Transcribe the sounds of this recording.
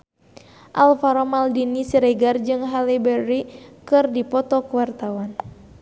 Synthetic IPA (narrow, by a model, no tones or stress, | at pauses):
ʔalfaɾɔmaldinisiɾɛɡard͡ʒɨŋɦalibɛɾikɨrdipɔt̪ɔkəwart̪awan